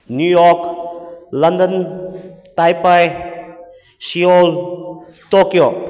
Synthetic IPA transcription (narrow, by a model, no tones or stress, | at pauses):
njujɔk | lɐndən | t̪ajpaj | siol | t̪okijo